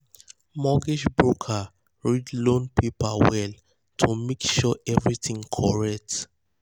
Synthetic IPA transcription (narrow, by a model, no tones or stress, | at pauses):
mɔɡiʃbɹukʰa | ɹidlõnpipawɛl | tʰumekʃɔɛvɹitĩŋkʰɔɹɛk̚t